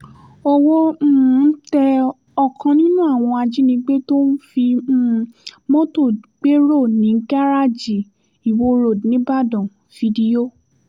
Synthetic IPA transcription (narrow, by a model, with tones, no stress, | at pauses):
o˧wo˦˨˦tɛ˧ | ɔ˦˨kʰã˧nĩ˦nũ˦a˦˨w̃ɔ̃˧a˧d͡ʒi˦nĩ˧˦ɡ͡be˦to˦n̩˦fi˧˦˨mɔ̃˦to˦˨ɡ͡be˦ɾo˦˨nĩ˨˦ŋ̩˦ka˦ɾa˦˨d͡ʒi˨ | i˨wo˧ɾo˨nĩ˨˦ba˦˨dɔ̃˨ | fi˧di˧o˦